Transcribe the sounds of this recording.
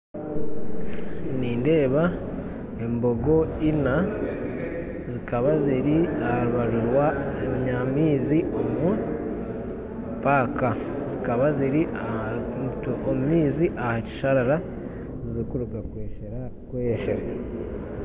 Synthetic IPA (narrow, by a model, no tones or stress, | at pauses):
niːnde̞ːβa | e̞mbo̞ɡo̞ina | zikaβaziɾiahaaɾuβaɾuɾwaeɲamiːziomu | paːkazikaβaziɾiatomumiːziʔahaci̥ʃaɾaɾa | ziɾikuɾuɡakweːʃeɾakweʃeɾa